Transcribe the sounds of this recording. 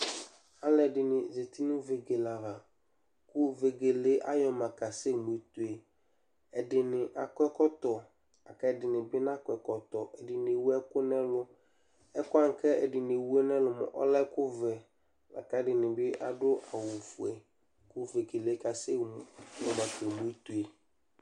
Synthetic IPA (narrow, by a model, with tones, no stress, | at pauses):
a˦lɛ˨dɪ˨nɪ̃˨ze˨t̪i˦nʊ̃˦ve˨ɡe˨la˨ɦa˨ | kʊ˦ve˨ɡe˨le˦ʔa˦jɔ˨mã˨ka˨se˦˨mu˨e˨t̪u˨e˨ | ɛ˨dɪ˨nɪ̃˨ʔa˨kɛ˦kɔ˦t̪ɔ˨ | a˨ka˦˨dɪ˨nɪ̃˨bɪ˦n˦a˦kʷɛ˨kɔ˨t̪ɔ˨ʔɛ˨dɪ˨n˨e˨wu˦ɛ˦kʊ˦nɛ̃˦lʊ˦ | ɛ˦kʊ˦a˦ŋ˨kʰɛ˦ɛ˨dɪ˨n˨e˨wu˦ɛ˦nɛ̃˦lʊ˨mɛ̰˨ʔɔ̰˦lɛ˦kʊ˦vɛ˨ | la̰˨ka˦dɪ˨nɪ̃˨bɪ˦ʔa˨dʊ˦ʔa˨wu˨fu˨ɛ˨ | kʊ˦ve˨ɡe˨le˨˦ka˨se˦˨˦jɔ˨ma˨kɛ˨mu˨˦e˦t̪u˨e˨